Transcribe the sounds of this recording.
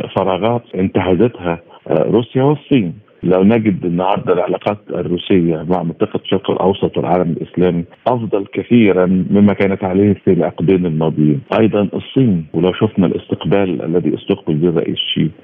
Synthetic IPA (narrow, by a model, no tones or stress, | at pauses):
fɑɾˤɑːɣɑːt̪ʔɪnt̪aħazæt̪hæɾuːsjawɪsˤːiːn | læwnæɡɪd̪ʔɪnːʕɑɾˤd̪ˤɑlʕalɑːqɑːt̪ɪrːuːsɪjːæmaʕmɪnt̪ˤɑːqɑʃːɑɾkɪlʔɑ̰wsˤɑt̪ˤwɪ̰lʕaːlæmɪlʔɪslæːmiʔɑfd̪ˤɑlkæθiːɾænmɪmːækæːnæt̪ʕaleːhfilʕɑqd̪iːnɪlmɑːd̪ˤjiːnʔɑjd̪ˤɑnʔɨsˤːiːnwɪlæwʃʊfnælʔɪ̰st̪ɪqbæːlʔæ̰lːæðḭʔɑ̰st̪ɑq̚bɪlbiːrˤɑ̰ʔḭːsʃḭː